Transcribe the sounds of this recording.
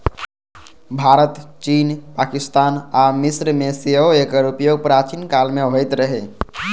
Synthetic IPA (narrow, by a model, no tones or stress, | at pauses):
bʱaɾət̪t͡ʃinpakist̪anamisɾmeseɦoekəɾupjoɡ̚pɾat͡ʃinkalmeɦojt̪ɾəɦe